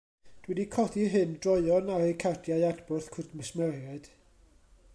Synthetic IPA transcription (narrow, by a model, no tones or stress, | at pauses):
d̥wɛdikʰɔdiɦɨndrɔɨɔnaɾikʰadjajadbʊrθkʰʊrdmɪsmɛrjad̥